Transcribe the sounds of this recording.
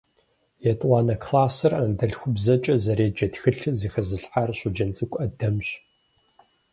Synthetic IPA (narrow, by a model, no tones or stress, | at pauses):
jɛtʼwʷɑːnɐkʰlaːsɨrɐdɐɮxʷʊbzɐt͡ʃʼɐzɐɾeːd͡ʒɐtxɨɬɨziːxɐzɨɬħarɕʊd͡ʒɐnt͡sʼɨkʷʼɐdɐmɕ